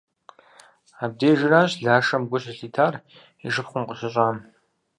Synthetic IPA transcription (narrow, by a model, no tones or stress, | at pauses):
aːb̚deːʒɪraːɕɮaːʂɐmɡʷʊɕɐɬiːtʰaːr | iʒɨpχʷʊmqʼəɕɪɕʼaːm